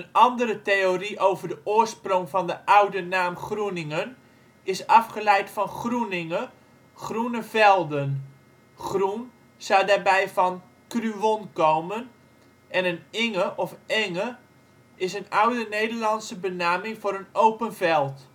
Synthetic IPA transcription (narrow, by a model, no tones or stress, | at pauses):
ənɑndəɾəteoriʔowvərdəʔʊərsprʊŋfɑndəʔawdənaːmχrunɪŋən | ɪsɑfχəlɛjtfɑnχrunɪŋə | χrunəvɛlˠdən | χrun | sawdaːɹbɛjfɑn | kryʋɔnkowmən | ʔɛnənɪŋəʔɔfɛŋə | ɪsənawdənejdərlɑnsəbənaːmɪŋfoːɾənowpənvɛlˠt